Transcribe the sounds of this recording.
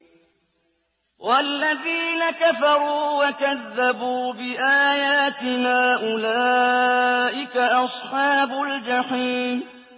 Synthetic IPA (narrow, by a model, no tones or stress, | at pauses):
wʔalːaðiːnakafɑɾˤuːwakaðːabuːbɪʔaːjaːt̪ɪnaːʔʊlaː | ʔɪkaʔɑsˤħɑːbʊld͡ʒaħiːm